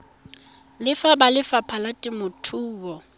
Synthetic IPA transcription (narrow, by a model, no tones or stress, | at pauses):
lɪfabalɪfapʰalatʼɪmʊtʰuːɣɔ